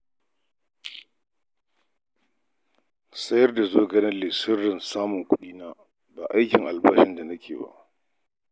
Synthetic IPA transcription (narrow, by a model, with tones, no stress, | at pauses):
sɐ˦jɐ˦rda˨zoː˦ɡɐ˦nɐ˦lɪ˨sɪ˦rːɪ˨nsaː˦mʊ˨ŋkʷʊ˦ɗiː˦naː˦ | baː˨ʔa˦jkʲɪ˨ŋʔa˨lba˦ʃɪ˦nda˨na˦kʲʰeː˨ba̰˦ʔ